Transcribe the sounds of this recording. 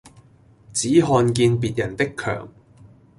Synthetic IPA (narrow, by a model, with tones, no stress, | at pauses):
t͡siː˨˥ɦɔː˧nkiː˧npiː˨t̚jɐ˨˩nt̪ɪ˥kʰːœ̰ː˨˩ŋ